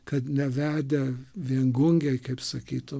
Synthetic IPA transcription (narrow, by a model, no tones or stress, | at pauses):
kɐt̪nʲɛʋʲæːd̪ʲɛʋʲiɛŋɡʊŋʲɡʲɛɪkɐɪpsɐkʲiːt̪ʊ